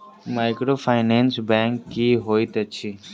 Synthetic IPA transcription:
maːɪkɾoːfʰaːɪnẽːnsbẽːŋkːiɦoːit̪ɐt͡ʃʰiː

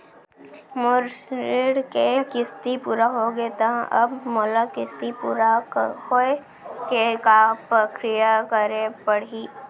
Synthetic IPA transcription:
mʊɾʃɪɽkekɪst̪ipuːɾaɦoɡet̪ɐɦʔɐbmʊlakɪst̪ipuːɾahoe | kekapɾɐkɾɪjakəɾepɐɽiː

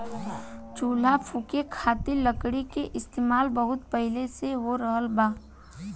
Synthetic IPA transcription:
t͡ʃuːl̤apʰukekʰaːt̪iləkɽikeʔɪst̪eːmaːlbəɦʊt̪pəɦɪleseʋoɾəɦəlbaː

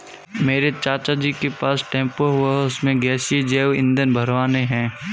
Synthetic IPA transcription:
meːɾet͡ʃaːt͡ʃad͡ʒiːkepaːsʈẽːmpoɦʊaʊsmẽɡɛːsid͡ʒeːʋɪ̰̃nd̪ənbʱəɾʋaːneɦɛ̃ː

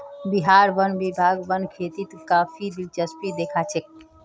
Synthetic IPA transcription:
biɦaːɾʋənbibʱaːɡʋənkʰeːt̪it̪kaːpʰid̪ilt͡ʃəspid̪eːkʰaːt͡ʃʰek̚

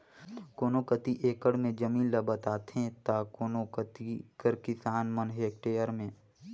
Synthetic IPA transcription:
koːnokət̪iʔeːkəɽmẽd͡ʒəmĩːnlɐbət̪aːt̪ɦẽt̪aːkonokət̪ikəɾkɪsaːnmənɦeːk̚ʈeːjəɾmẽː

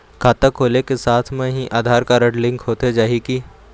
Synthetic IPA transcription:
kʰaːt̪əkʰːoːlekesaːt̪ʰmẽɦiʔaːd̪ʱaːɾkaɾəɖlɪ̃ŋkʰɦoːt̪ed͡ʒaːɦiki

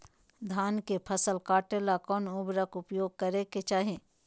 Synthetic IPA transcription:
d̪ʱaːnkepʰəsəlkaːʈelakɔːnʊbɾəkʊpjoːɡ̚kəɾeket͡ʃaːɦẽː

